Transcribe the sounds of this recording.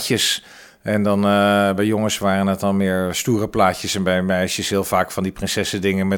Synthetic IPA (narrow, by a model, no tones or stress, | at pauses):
cəs | ʔɛndɔnbɛjjoŋəsʋaːrənətɔnˠmɪːəɹstuːərəplaːcəsɛnbɛjmɛjsjəsɦɪːlˠfaːkfɔndiprɪnsɛsədɪŋəmɛ